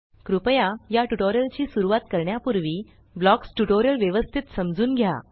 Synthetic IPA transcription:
kɾupəjajaʈuʈoɾjəlt͡ɕiːsuɾuʋat̪kəɾɳjapuɾʋiː | blɔksʈuʈoɾjəlʋjəʋəst̪ʰit̪səmd͡zuːnɡʱja̰

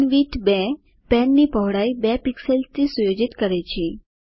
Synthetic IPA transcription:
nʋiʈbɛ | pɛnːipəʋɽaibɛpikselst͡s̪isujod͡ʑit̪kəɾajt͡ɕʰi

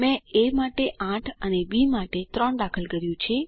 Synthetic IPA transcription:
mɛ̃emaʈeʔãʈʰənebimaʈet̪ɾəɳd̪akʰəlɡəɾjũt͡ʃʰe

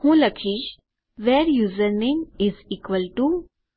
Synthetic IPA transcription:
hũlɐkʰiːd͡ʒ | ʋeːɾjuːzəɾnĩŋɪziːkʋəlʈu

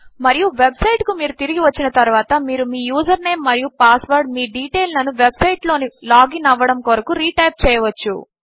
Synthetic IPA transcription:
mɐɾijuʋebsɐjʈkumiːɾut̪iɾiɡiʋɐt͡ʃːinɐt̪ɐɾuʋaːt̪ɐmiːɾumiːjuːd͡ʒɐɾne̞ːmːɐɾijupaːsʋɐːɾɖmiːɖiːʈeːlnɐnuʋebsɐjʈlo̞ːnilaːɡinɐʋːɐɽɐmkoːɾɐkuɾiːʈɐjp̚t͡ʃɛːjɐʋɐt͡ʃːṵ

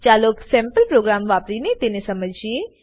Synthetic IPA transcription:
t͡ʃaloksɛ̃mpəlpɾoɡɾamʋapɾinet̪enesəməd͡ʒʱje

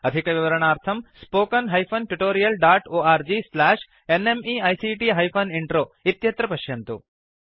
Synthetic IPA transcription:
ɐd̪ʱikɐʋiʋɐɾɐɳaːɾt̪ʰɐmspoːkɐnɦɐjpʰɐnʈuʈoːɾijɐlɖaːʈoːaːɾd͡ʒiːslaːʂ | enemiːɐjsiʈiɦɐjpʰɐniɳʈɾoːit̪jɐt̪ɾɐpɐʃjɐnt̪ṵ

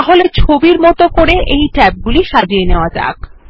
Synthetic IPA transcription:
aɦolet͡ɕʰobiɾmɔt̪okoɾeʔejʈɛp̚ɡuliʃad͡ʑieneoad͡ʑa̰k

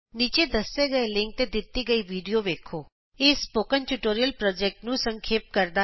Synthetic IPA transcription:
nit͡ʃed̪əseɡəelɪ̃ŋk̚ʈ̪ed̪it̪ːiɡəiʋiɖijoʋekʰo | espokənʈuʈoɾijəlpɾɔd͡ʒek̚ʈnũsəŋkʰeːp̚kəɾd̪a

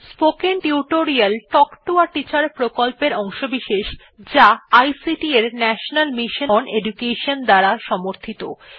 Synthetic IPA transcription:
spokenʈiuʈoɾialʈɔkʈuaʈit͡ɕaɾpɾokolpeɾɔŋʃobiʃeʃ | d͡ʑaajsiʈieɾnɛʃonalmiʃonedukeʃond̪aɾaʃɔmoɾt̪ʰit̪o̰

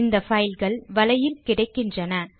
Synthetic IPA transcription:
nd̪ɐfɐjlɣɐɭʋɐlɐjɪlkɪɽɐɪkːɪndrɐnɐ

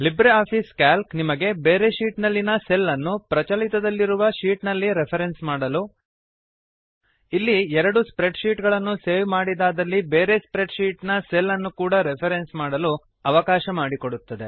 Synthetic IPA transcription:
libɾeaːpʰiːskaːlknimɐɡe̞beːɾe̞ʃiːʈnɐlːinɐselːɐnːupɾɐt͡ʃɐlit̪ɐd̪ɐlːiɾuʋɐʃiːʈnɐlːiɾepʰɐɾe̞nsmaːɽɐlu | ilːiɛɾɐɽuspɾeɖʃiːʈɡɐɭɐnːuse̞ːʋmaːɽid̪aːd̪ɐlːibe̞ːɾe̞spɾe̞ɖʃiːʈnɐselːɐnːukuːɽɐɾepʰɐɾensmaːɽɐlu | ɐʋɐkaːʃɐmaːɽiko̞ɽut̪ːɐd̪e̞

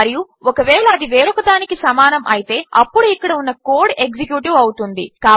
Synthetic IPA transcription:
ɐɾiju | ɔkɐʋɛːɭɐːd̪iʋeːɾɐkɐd̪aːnikisɐmaːnɐmʔɐ̰jit̪e̞ːɐpːuɽuikːɐɽɐunːɐkoːɾɖeɡsekjuːʈiʋɐwut̪und̪ikaː

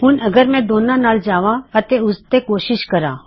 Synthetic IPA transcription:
ɦʊnɐɡəɾmɛ̃d̪oːnãnaːld͡ʒaːʋãɐt̪eʊst̪ekoːʃɪʃkɐɾã̰ː

